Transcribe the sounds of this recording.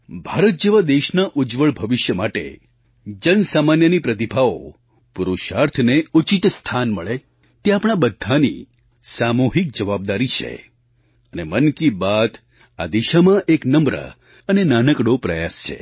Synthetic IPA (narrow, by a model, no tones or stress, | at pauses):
bʱaɾət̪̚d͡ʒeʋad̪eʃnaʔud͡ʒʋəɭbʱəʋɪʃjəmaʈḛ | d͡ʒənsamanjənipɾət̪̬ibʱao̰ | puɾuʃaɾt̪ʰneut͡ʃit̪st̪ʰanməɭe | t̪eapɽ̃abəd̪ʱːanḭ | samuɦik̚d͡ʒəʋab̚d̪aɾit͡ʃʰḛ | ənemənkibat̪ | a̰d̪iʃamãʔeknəmɾə̰ | ənenanəkɽopɾəjast͡ʃʰḛ